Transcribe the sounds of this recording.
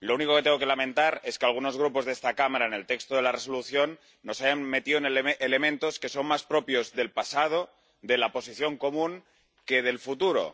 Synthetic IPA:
lo̞uniko̞ket̪eŋɡo̞ke̞lamẽ̞nt̪aɾe̞skealɣ̞uno̞zɣ̞ɾupo̞zðest̪akamaɾaene̞lt̪e̞kst̪oðe̞lare̞soluθjo̞nː | o̞sajanme̞t̪iðoenele̞mẽ̞nt̪o̞ske̞so̞nmaspɾo̞pjo̞zðe̞lpasað̞o̞ | ðe̞lapo̞siθjo̞ŋko̞mũŋ | ke̞ð̞e̞lfut̪uɾo̞̰

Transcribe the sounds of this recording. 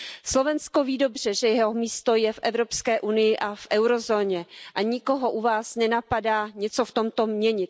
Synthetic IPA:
slo̞vɛnsko̞viːdobr̝̥ɛʒɛjɛɦomiːst̪o̞jɛfʔɛvɾo̞pskɛːʔunɪjɪʔafʔɛwɾo̞zoːɲɛʔaɲɪkoɦo̞ʔuvaːsnɛnapadaːɲɛt͡so̞ft̪omt̪o̞mɲɛɲɪt̪

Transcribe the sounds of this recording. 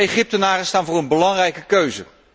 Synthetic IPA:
ejχɪp̚tənaːrəstaːnvʊːrənbəlɑŋrɛjkəkøɥzə̰

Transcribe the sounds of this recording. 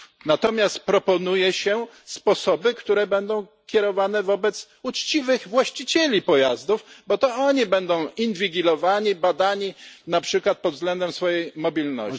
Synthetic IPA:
nat̪ɔmʲjast̪̚pɾɔpɔnujɛɕɛ | spɔsɔbɘkt̪uɾɛbɛnd̪ɔ̃w̃ | kʲɛɾɔvanɛvɔbɛt̪s | ut͡ʂt͡ɕivɘɣvwaɕt͡ɕit͡ɕelʲipɔjazd̪ufbɔt̪ɔɔɲibɛnd̪ɔ̃w̃invʲiɡʲilɔvaɲibad̪aɲinapʂɘkwat̪̚pɔd̪vzɡlɛnd̪ɛmsfɔjejmɔbʲilnɔ̰ɕ

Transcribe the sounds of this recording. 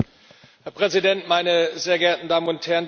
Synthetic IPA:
hɛɐpʁ̥ɛzidɛntmaɪnəzeːɐɡɛɐtn̩daːmənʊnthɛɐn

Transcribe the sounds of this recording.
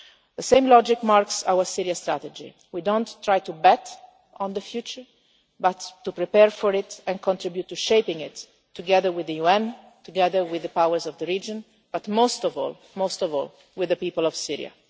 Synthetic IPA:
ðəsẽj̃mlɔd͡ʒɪkmaɾksawəsiɾiast̪ɾa̰t̪əd͡ʒḭ | widõnt̪ːɹajt̪ubɛt̪ | ʔɔ̃nd̪əfjuːt͡ʃəɹ | bat̪ːupɾipɛɹfɔɹɪt̪ɛ̃nkʰɔ̃nt̪ɾibjut̪ːuʃejpɪ̃ŋɪt̪ː | uɡɛðəɹwɪðəjuɛ̃n | t̪uɡɛðəɹwɪðəpawəɹzɔvd̪əɹiːd͡ʒɔ̃n | b̥at̪most̪ɔvɔ̰ːl | most̪ɔvɔ̰l | wɪðəpiːpəlɔvsḭɹḭa̰

